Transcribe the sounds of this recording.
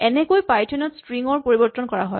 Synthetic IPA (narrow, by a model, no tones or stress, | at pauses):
ɛnɛkojpajtʰɔnɔtstɹiŋɔɹpoɹibɔɹtːɔnkɔɹa̰ɦɔj